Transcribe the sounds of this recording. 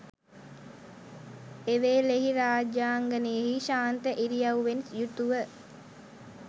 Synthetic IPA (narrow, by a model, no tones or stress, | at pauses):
eʋeːleɦiɾaːd͡ʒjaːŋɡənəjeɦiʃaːnt̪əʔiɾijɐwʋensjut̪uʋə